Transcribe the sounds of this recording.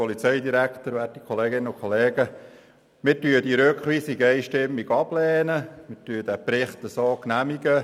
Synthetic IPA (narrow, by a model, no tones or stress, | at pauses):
ɔlit͡sɛjd̪iɾækχt̪əɾʋætikʰχɔleːɡɪnːəʊkʰχɔleːɡə | mɪtyːədiɾøkχʋiːsiɡɛjʃtɪmːiɡɑb̥lɛːnəmɪtyːəd̥æpɾɪχt̪əsoːknæmiɡə